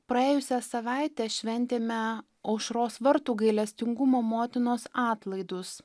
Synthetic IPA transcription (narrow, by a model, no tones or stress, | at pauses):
pɾɐeːjʊsʲɛsɐʋɑˑɪt̪ʲɛʃʲʋʲɛnʲt̪ʲeːmʲɛ | ɐʊʃɾoːsʋɐɾt̪uːɡɐɪlʲɛsʲt̪ʲɪŋɡʊmoːmoːt̪ʲɪnoːsɑːt̪lˠɐɪd̪ʊs